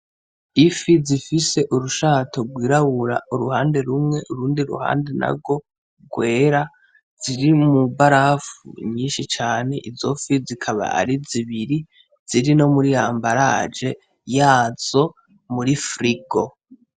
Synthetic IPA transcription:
ifizifise̞ʔuɾuʃaːto̞ɡwiːɾaβuɾa̰uɾuhaːnde̞ɾumŋe̞ʔuɾuːndiɾṵha̰ːnde̞na̰ɡo̞ | ɡwe̞ːɾa | z̥iɾimubaɾafṵɲiːnʃit͡ʃaːne̞ʔizo̞fizikʰaβa̰a̰ɾiziβiɾi | z̥iɾino̞muɾijaːmbaɾa̰ːd͡ʒe̞ | jaːz̥o̞ | muɾifɾiɡo̞

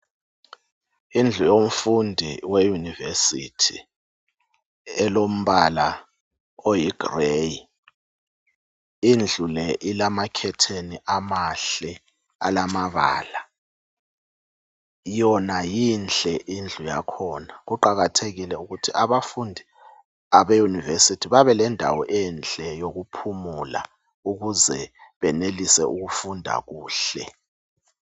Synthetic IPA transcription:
ind͡ɮʱujom̩fundʱiwejunivesitʰi | ɛlom̩ɓala | ojiɡ̥reji | ind͡ɮʱulɛʔilamakʰɛtʰeniʔamaɬɛ | a̰lamaβa̰ːla | jɔnajinɬʼɛʔind͡ɮʱuja̰kʰɔːnaɣuǃaɣatʰeɣilɛuɣutʰiʔaβafundʱi | aβejunivesitʰiβaβɛlɛndʱa̰wɔʔɛnt͡ɬʼɛjoɣupʰumula̰ | uɣuzɛβɛnelisɛʔuɣufundʱa̰ɣuːɬɛ

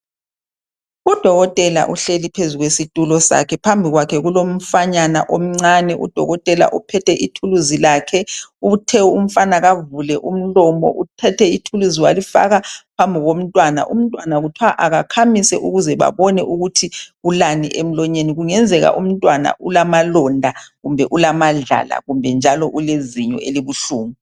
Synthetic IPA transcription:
ud̥ʱɔɣɔtʼɛla̰ʔuɬelipʰezuɣwesitʼulɔsa̰kʰɛpʰambʱiɣwakʰɛɣulom̩faɲana̰ʔom̩ŋ͡ǀanɛʔṵd̥ʱɔ̰ɣɔtʼɛla̰ʔupʰɛtʰɛʔitʰuluzilaːkʰɛuβutʰɛum̩fanaɣavulɛʔum̩lɔmɔ̰ʔutʰɛtʰɛitʰuluziwalifa̰ɣapʰambʱiɣom̩tʼwana̰ʔṵm̩tʼwanaɣutʰwaʔaɣakʰamisɛʔuɣuzɛβa̰βɔnɛʔuɣutʰiɣulaniʔem̩lɔɲeniɣuŋɛnd͡zʱɛɣa̰ʔum̩tʼwana̰ʔulamalɔndʱaɣumbʱɛʔulamaɮa̰la̰ɣumbʱɛnd͡ʒʱalɔʔuleziɲɔ̰ʔeliβuɬuːŋu

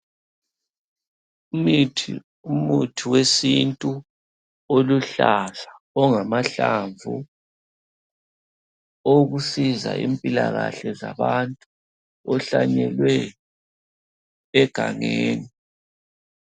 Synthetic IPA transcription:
umutʰiwesintʼu | oluɬaɮa | ɔŋamaɬaɱvu | oɣusiza̰ʔiːmpʼilaɣaɬɛzaβantʼu | ɔɬaɲɛlwɛ | ɛɡ̥ʱaŋeːni

